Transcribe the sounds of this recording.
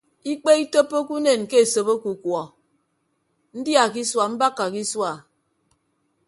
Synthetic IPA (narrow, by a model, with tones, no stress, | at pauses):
i˦k͡pe˦i˦to˦pːo˦ku˦ne˨nke˦e˨so˨bo˦ku˨kwɔ˨ | n̩˦dja˨ki˦swa˨m̩˦ba˦kːa˨ki˦swa˨